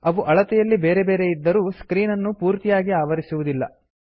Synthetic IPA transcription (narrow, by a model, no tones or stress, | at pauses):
ɐʋuʔɐɭɐt̪ɛjɐlːibe̞ːɾebe̞ːɾe̞jid̪ːɐɾuːskɾiːnɐnːupuːɾt̪ijaːɡiaːʋɐɾisuʋud̪ilːɐ